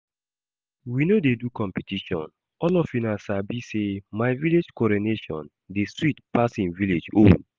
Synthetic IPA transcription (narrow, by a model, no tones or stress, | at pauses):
winodedukɔ̃mpɛtiʃɔ̰̃n | ʔɔlɔfinasabisemaɪviled͡ʒkɔɾineʃɔ̰̃n | deswitpasĩnviled͡ʒo̰n